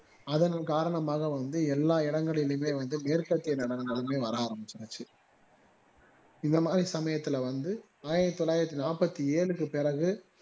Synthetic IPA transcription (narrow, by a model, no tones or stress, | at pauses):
ɐðɐnɐkaːɾɐɳɐmaːɣɐʋɐnd̪ɯɛlːaːɪɽɐŋɡɐɭɪlmeːʋɐnd̪ɯmeːɾkɐt̪ːɪjɐnɪɽɐŋɡɐɭɯmeːʋɐɾaːɐɾɐmbɯt͡ʃːɐɾɐt͡ʃːɯ | ɪnd̪ɐmaːd̪ɾisɐmɐjɐt̪ːɪlɐʋɐnd̪ɯ | aːjɪɾɐt̪ːɔlaːjɪɾɐt̪ːinaːpɐt̪ːieːɭɯkːɯpɪrɐɣɯ